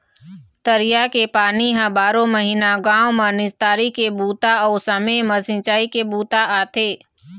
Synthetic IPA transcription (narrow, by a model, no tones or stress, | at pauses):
t̪əɾɪjakepaːniɦə̃baːɾõməɦiːnaɡãːõmənɪst̪aːɾikebuːt̪aɔːsəmeməsɪ̃nt͡ʃaːikebuːt̪aʔaːt̪ʰeː